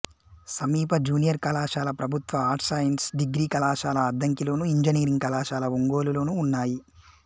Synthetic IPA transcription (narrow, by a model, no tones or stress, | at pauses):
sɐmiːpɐd͡ʒuːnijɐɾkɐlaːʃaːlɐpɾɐbʱut̪ʋɐaːɾʈʰsaːjɐnsɖiɡɾiːkɐlaːʃaːlɐːd̪ːɐŋkilo̞ːnuiɲd͡ʒɐniːɾiŋɡkɐlaːʃaːlɐuŋɡo̞ːlulo̞ːnuːnːaːji